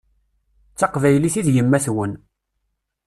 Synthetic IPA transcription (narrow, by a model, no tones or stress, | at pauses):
t͡sːɑqvæjliθiðjəmːæθwən